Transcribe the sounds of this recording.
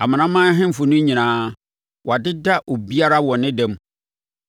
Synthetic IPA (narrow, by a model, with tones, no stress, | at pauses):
a˨mã˨nã˦mãː˦ɦɪ̃˦m̩˨fʊ˨nʊ̃˦ɲĩ˨nãː˨˦ | wʔa˨dɪ˦da˦ʔo˨bi˦a˦ɾa˦wɔ̃˨nɪ̃˦dɛ̃˦m